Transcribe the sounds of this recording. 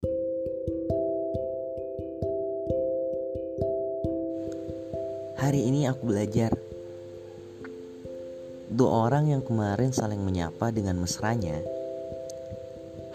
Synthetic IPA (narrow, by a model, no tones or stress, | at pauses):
haɾiːniakubəlad͡ʒar | dua̰ʔoɾaŋjaŋkəmaɾɪnsalɪŋməɲa̰padəŋanməsɾaɲa